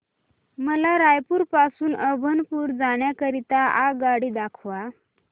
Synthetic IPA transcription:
məlaɾajpuːɾpasuːnəbʱənpuːɾd͡zaɳjakəɾit̪aaɡaɽiːd̪akʰʋa

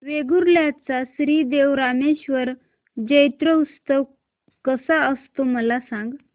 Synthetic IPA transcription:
ʋeɡuɾljat͡sasɾiːd̪eʋɾameɕʋəɾ | d͡ʑəjt̪ɾəust̪əʋ | kəsaəst̪oməlasãŋɡ

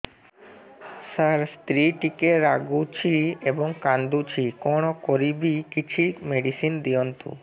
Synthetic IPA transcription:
saɾst̪ɾiʈikeɾaɡut͡ɕʰiebɔŋkand̪ut͡ɕʰikɔɽ̃okoɾibikit͡ɕʰimeɖisind̪ijɔnt̪ṵ

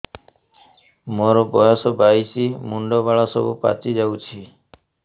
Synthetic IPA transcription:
moɾɔbɔjɔsɔbajsimuɳɖɔbaɭasɔbupa̰t͡ʃid͡ʒawt͡ʃʰi

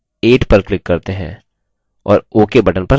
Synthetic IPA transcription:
eːʈpɐɾklɪkːɐɾt̪eɦɛ̰̃ː | ɔ̰ːɾoːkebɐʈənpɐ

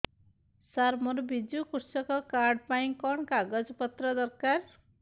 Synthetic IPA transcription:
saɾmɔɾbid͡ʒukuɾsɔkɔkaɾɖpaĩkɔɳkaɡɔd͡ʒpɔt̪ɾɔd̪ɔɾkaɾ

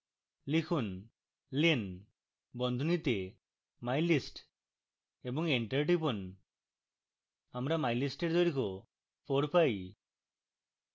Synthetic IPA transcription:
likʰun | lin | bɔnd̪ʱunit̪e | majlisʈ | ebɔŋeɳʈəɾʈipɔn | amɾamajlisʈeɾd̪ɔɾikɔ | pʰoɽpaj

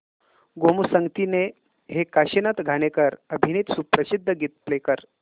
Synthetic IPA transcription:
ɡomusəŋɡt̪ine | ɦekaɕinət̪ɡʱaɽekəɾəbʱiniːt̪supɾəsid̪ʱːəɡiːt̪̚plekəɾ

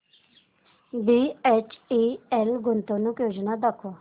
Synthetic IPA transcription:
biet͡ʃielɡʊnt̪onũkjoːd͡ʒnad̪əkʰːo

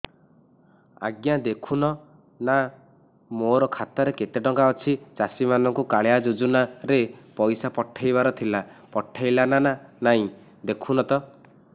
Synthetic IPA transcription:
a̰ɡjad̪ekʰunɔ | na | moɾɔkʰat̪ɔɾekeʈeʈɔŋkaɔt͡ʃʰit͡ʃasimanɔŋkukaɭejad͡ʒud͡ʒunaɾepɔjsapɔʈʰːajβaɾɔt̪ʰilapɔʈʰːajlanananaɦĩ | d̪ekʰunɔt̪ɔ

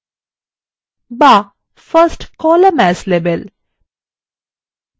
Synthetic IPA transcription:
ba | fəsʈkɔːləmæsleʋel

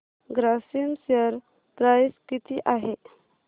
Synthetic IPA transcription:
ɡɾasinsəɾ | t̪ɾajskit̪ʰiʔaɦe

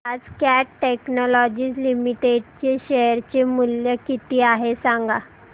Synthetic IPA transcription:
ad͡zkæʈʈeknɔlɔd͡ʑiːslimiʈeɖt͡ɕeɕeɾt͡ɕemuljəkit̪iːaɦesãŋɡa

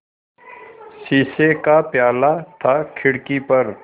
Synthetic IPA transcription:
siːsekapjaːlat̪ʰakʰɪɽkipɐɾ

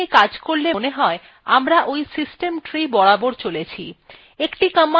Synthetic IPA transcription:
ekad͡ʑkoɾleneɦɔe | amɾaʔojsisʈemʈɾibɔɽaboɾt͡ɕolet͡ɕʰḭ | ekʈikəmːa

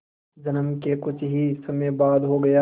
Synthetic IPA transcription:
d͡ʒɐnəmkekʊt͡ʃʰɦisɐmebaːd̪ɦoɡɐjaː

